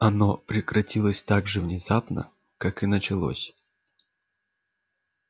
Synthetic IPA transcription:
ɐno̞pɾʲɪkɾɐtʲilˠəsʲt̪aɡʐɨvnʲɪzapnə̰ | kakɨnət͡ɕɪlˠo̞̰sʲ

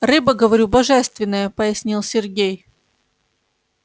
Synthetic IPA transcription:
rɨbəɡəvɐɾʲubɐʐɛst̪vʲɪnːəjəpəjɪsʲnʲilˠsʲɪrɡʲej

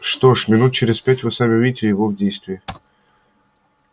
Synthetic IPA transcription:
ʂt̪oʂmʲɪnut̪̚t͡ɕɪɾʲɪspʲætʲvɨsamʲɪvʲidʲɪtʲɪjɪvovdʲejst̪vʲɪɪ

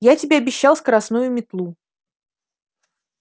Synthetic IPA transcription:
jatʲɪbʲeɐbʲɪɕːalˠsʲkəɾɐsnujʊmʲɪt̪lˠu

